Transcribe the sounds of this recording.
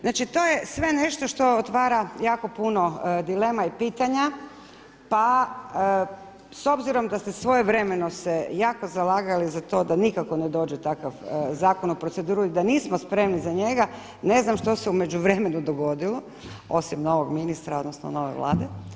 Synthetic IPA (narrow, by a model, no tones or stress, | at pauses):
znat͡ʃit̪o̞je̞sʋe̞ne̞ʃt̪oʃt̪o̞ot̪ʋaːɾajaːko̞puno̞d̪ile̞ːmaipiːt̪aɲa | pa | so̞bziɾo̞md̪ast̪esʋo̞jeʋɾe̞me̞no̞sejaːko̞zalaːɡalizat̪o̞d̪anikako̞ne̞d̪o̞ːd͡ʒet̪akaʋzaːko̞nupɾot̪se̞d̪uːɾuid̪aniːsmospɾe̞mnizaɲe̞ɡa | ne̞znamʃt̪o̞seume̞d͡ʒuʋɾeme̞nud̪oɡo̞d̪ilo | o̞simno̞ʋo̞ɡminist̪ɾao̞d̪nosno̰no̞ʋojʋlʔa̰ːd̪e